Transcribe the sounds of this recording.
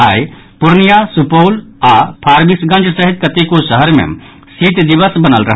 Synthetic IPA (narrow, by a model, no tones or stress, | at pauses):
aj | pʊɾnijasupoːlapʰaːɾbisɡə̃nt͡ʃsəɦit̪̚kət̪ekosəɦəɾmḛ̃ | siːt̪d̪iʋəsbənəlɾɐɦ